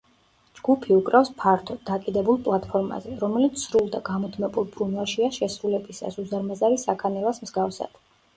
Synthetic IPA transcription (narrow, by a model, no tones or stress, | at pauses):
d͡ʒɡ̥upʰiukʼɾafspʰaɾt̪ʰɔd̚d̪akʼid̪ɛbulˠpʼlˠat̪̚ʼpʰɔɾma̰zɛɾɔmɛlit̪ssɾulˠd̪aɡamɔd̪mɛbulˠbɾunwalˠʃiaʃɛsɾulɛbisa̰suzaɾmazaɾisakʰanɛlasmzɡafsa̰d̪̥